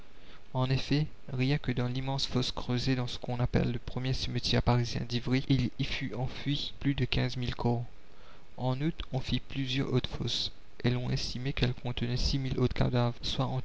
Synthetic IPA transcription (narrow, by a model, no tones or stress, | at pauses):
ɑ̃nefɛ | ʁjɛ̃kəd̪ɑ̃limɑ̃sfɔskχøzed̪ɑ̃sə̥kɔ̃napɛ̰lːəpχəmjesəmət̪jɛpaʁizjɛ̰̃d̪ivʁiʔilifyɑ̃fɥiplyd̪əkʲɛ̃zmilkʰɔʁ | ɑ̃nut̪ɔ̃fiplyzjœʁot̪fɔs | ɛlɔ̃ɛ̃st̪imekɛlkʰɔ̃t̪ənɛsimilot̪kʰa̰d̪avʁswaɑ̃